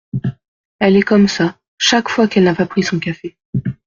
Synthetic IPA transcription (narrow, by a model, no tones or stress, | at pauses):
ɛlɛkɔmsa | ʃakfwakɛlnapapχisɔ̃kafe